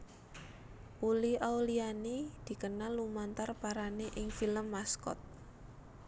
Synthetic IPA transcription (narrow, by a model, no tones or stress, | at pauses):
ʔuliʔaulianid̪̥i̤kənalːumant̪arpaɾaneʔɪŋfiləmːaskɔ̰t̪̚